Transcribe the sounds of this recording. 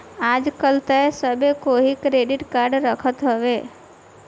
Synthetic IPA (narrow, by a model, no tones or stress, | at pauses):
ad͡ʒkəlt̪əesəbekoɦikɾeɖɪʈkaɾɖɾəkʰət̪ɦəʋe